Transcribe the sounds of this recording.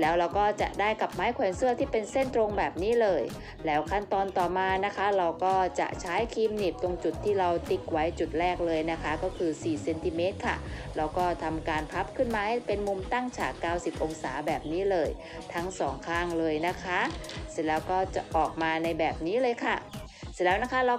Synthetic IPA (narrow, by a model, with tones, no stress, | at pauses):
lɛː˦˥wɾa˧wkɔː˥˩t͡ɕa̰˨˩ʔdaː˥˩jka˨˩p̚maː˦˥jkʰwɛː˧nsɯ˥ɐt̪ʰiː˥˩pe˧nse˥˩nt̪ɾo˧ŋbɛː˨˩p̚niː˦˥lɤː˧j | lɛː˦˥wkʰa˥˩nt̪ɔː˧nt̪ɔː˨˩maː˧na˦˥kʰa˦˥ɾa˧wkɔː˥˩t͡ɕa̰˨˩ʔt͡ɕʰaː˦˥jkʰiː˧mniː˨˩p̚t̪o˧ŋt͡ɕu˨˩t̪ʰːiː˥˩ɾa˧wt̪i˦˩k̚wa˦˥jt͡ɕu˨˩t̪̚ɾɛː˥˩k̚lɤː˧jna˦˥kʰa˦˥kɔː˥˩kʰɯː˧siː˨˩se˧nt̪i˧me˦˥t̪̚kʰa̰˥˩ɾa˧wkɔː˥˩t̪ʰa˧mkaː˧npʰa˦˥p̚kʰɯ˥˩nmaː˧ha˥˩jpe˧nmu˧mt̪a˥˩ŋt͡ɕʰaː˨˩kːaː˥˩wsi˨˩p̚ʔo˧ŋsaː˩˦bɛː˨˩p̚niː˦˥lɤː˧j | t̪ʰa˦˥ŋsɔː˩˦ŋkʰaː˥˩ŋlɤː˧jna˦˥kʰa˦˥slɛː˦˥wkɔː˥˩t͡ɕa̰˨˩ʔɔː˨˩k̚maː˧na˧jbɛː˨˩p̚niː˦˥lɤː˧jkʰa˥˩ | sɯ˧˩lɛː˦˥wna˦˥kʰa˦˥ɾa˧